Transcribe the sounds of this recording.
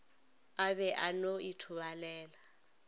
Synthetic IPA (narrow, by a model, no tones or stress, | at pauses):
abɛʔanoitʰʊbalɛːla